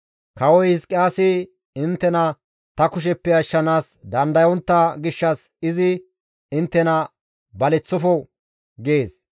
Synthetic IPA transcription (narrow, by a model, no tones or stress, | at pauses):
kɐwɔjhɪskʼɪaːsɪ | ɪnt̪ːɛnɐ | t̪ɐkʊʃ̬ɛpːɛɐʃːɐnaːs | d̪ɐnd̪ɐjɔnt̪ːɐɡɪʃːɐs | ɪzɪ | ɪnt̪ːɛnɐ | bɐlɛt͡sːɔfɔ | ɡeːs